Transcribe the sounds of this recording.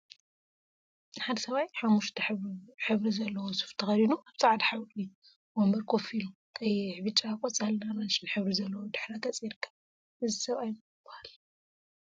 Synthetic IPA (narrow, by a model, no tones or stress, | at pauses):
nħad̪ɐsɐβajħamːuʃt̪ʰħɨβɾizɐlːɐwosɨ̥ft̪ʰɐxɐɾinuaβt͡sʼaʕad̪ħawkʼli | wombɐɾkʰofilukʰʼɐjħβɨt͡ʃʼːakʼɔt͡sʼalnaɾanʃɨnħɨβɾizɐlːɐwod̪ɨħɾakʰɐt͡sʼjɪɾɨkːɐ̥β | ʔɨzisɐβajn | b̥ɐhal